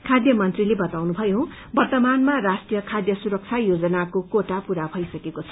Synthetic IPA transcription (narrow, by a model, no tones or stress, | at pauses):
kʰad̪jʌmʌnt̪rilebʌt̪awnubʱʌjo | bʌrt̪ʌmanmarasʈijʌkʰad̪jʌsuɾʌk̚t͡sʰajod͡zʌnakokoʈapuɾabʱʌjsʌkekot͡sʰʌ̥